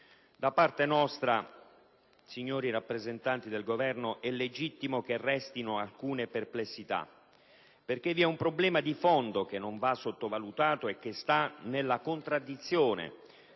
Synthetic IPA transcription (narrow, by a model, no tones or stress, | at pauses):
d̪apart̪enɔst̪ɾa | siɲːoːɾiɾapːɾezent̪ant̪id̪elɡovɛrnoʔɛlːed͡ʒit̪ːimok̟erɛst̪inoalkuːneperplesːit̪a̰ | perk̟evːiɛumpɾoblɛːmad̪ifɔnd̪okenːoɱvasːot̪ːovalut̪aːt̪oek̟ːest̪anelːakont̪ɾad̪ːit̪sːjoːnḛ